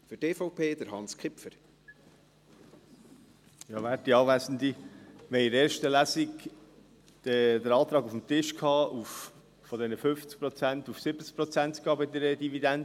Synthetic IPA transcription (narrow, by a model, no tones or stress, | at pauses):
fyteːfɔʊpʰeːd̥̪əɾhɑnskʰχɪpfəɾ | jɑːʋæːt̚diɑːʋæsn̩d̪iʋɛɪɪɾɛːɾʃtəlæsik | d̪əɾɑːt̪ɾɑːɡufm̩t̪ɪʃkʰhɑːʔuf | fɔd̪ɛnəfʏft͡sk̚pɾɔt͡sæntufsɪb̥ət͡sk̚pɾɔt͡sæntkɑːbɪd̪ɛɾəd̥ivid̪ændə